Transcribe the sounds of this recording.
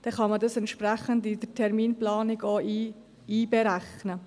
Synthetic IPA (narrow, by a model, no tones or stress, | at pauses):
d̥ɛχɑmədɑsɛnt̪ʃpɾæχəndɪd̥ətʰɛɾmiːnplɑːnɪɡoi | iːbɛɾæχnə